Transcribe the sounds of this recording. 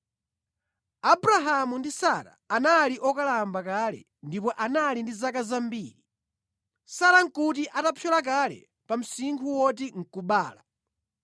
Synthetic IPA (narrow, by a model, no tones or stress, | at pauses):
abuɾaɦamundisa̰ɾa̰analiʔɔkalambakalɛ̰ | ndipɔʔanalindizakazambiːɾi | saɾaŋ̩kutiʔatapʰjɔlak̬alɛ̰ | pam̩siŋkʰuwɔt̬iŋ̩kuɓaːla